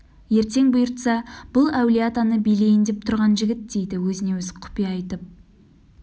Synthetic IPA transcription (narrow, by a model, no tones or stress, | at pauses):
je̞ɾt̪e̞ŋbʊjʊɾt̪sɑb̥ʊlˠæwlijat̪ɑnəbijle̞jɪnd̪ep̚t̪ʰʊɾʁɑnʒɪɡʲɪt̪̚d̪e̞jd̪ɪwɵzɪne̞wɵzqʰʊ̥pijɑːjt̪əp̚